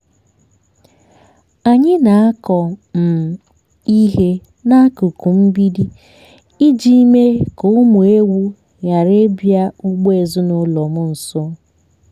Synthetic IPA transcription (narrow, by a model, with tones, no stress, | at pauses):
a˨ɲɪ˦na˨a˦kɔ˨m̩˨ | i˦ɦe˦ | na˦a˦kʊ˨ku˨m̩˦bi˦di˦ | i˦d͡ʒi˦i˦me˦ko˨ʊ˦mʊ˨e˦wu˦ | ja˨ɾe˦bja˦u˦ɡ͡be˨zʊ˦nʊ˦lɔ˨mʊ˦n̩˨sʊ˦